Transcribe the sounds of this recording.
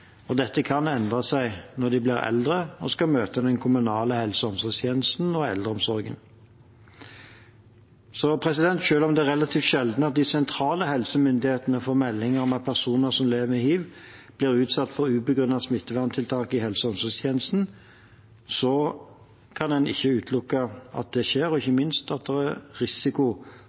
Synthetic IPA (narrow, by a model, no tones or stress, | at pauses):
ɔd̪ɛt̪ːəkʰɑnɛnd̪ʁɑsæɪnɔd̪ɪblɪːʁɛ̰ld̪ʁəɔskɑmøːt̪əd̪ɛnkʰʊmʉnɑːləhɛlsəɔmsɔst̪ʰjeːnəst̪n̩ɔɛ̰ld̪ʁəɔmsɔʁɡə̰n | sɔpʰʁɛsɪd̪ɛnt̪ʃøːlɔmd̪ɛæʁɛlɑt̪ʰiːft̪ʃɛld̪n̩ɑt̪̚d̪ɪsɛnt̪ʰɾɑːləhɛlsəmʏnd̪ɪheːt̪ənəfɔʁmɛlːɪŋəʁmɛpʰæʁsuːnəʁsɔmleːʋəmɪhiːʋb̥lɪːʁʉːt̪sɑt̪ːfɔɾʉːbəɡɾʉnːɑsmɪt̪ːəʋæʁnət̪ʰɪlt̪ʰɑːkɪhɛlsəɔmsɔst̪ʰjeːnəst̪n̩ | sɔ | kʰɑndɛnɪ̰çːəʉːt̪ʰlʊkːɑɑ̰t̪̚d̪ɛʃeːɾɔɪçːəmɪnst̪ɑt̪̚d̪ɛʁæɾɪsɪkʊ